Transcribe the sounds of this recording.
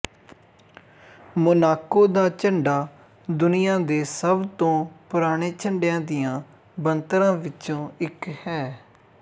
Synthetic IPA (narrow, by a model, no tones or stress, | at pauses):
mʊnaːkoːd̪aːt͡ʃəɳɖaː | d̪ʊnɪjãːd̪eːsəbt̪õːpʊɾaːɽ̃eːt͡ʃʰəɳɖɪjãːd̪ɪjãː | bənt̪ɾãːʋɪt͡ʃõːɪkhɛː